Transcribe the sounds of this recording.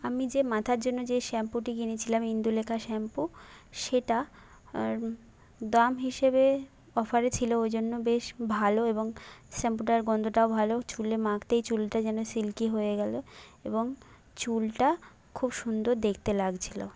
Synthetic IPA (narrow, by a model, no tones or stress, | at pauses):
amid͡ʑemat̪ʰaɾd͡ʑonːod͡ʑeʃɛmpuʈiɡinet͡ɕʰilamind̪ulekʰaʃɛmpuʃeʈa | d̪amɦiʃebe | ɔfaɾet͡ɕʰiloojd͡ʑonːobeʃbʱaloeboŋsɛmpuʈaɾɡɔnd̪ʱoʈaobʱalot͡ɕulemãkt̪ejt͡ɕulʈad͡ʑɛnosilkiɦojeɡɛloeboŋ | t͡ɕulʈa | kʰubʃund̪oɾd̪ekʰt̪elaɡt͡ɕʰilo̰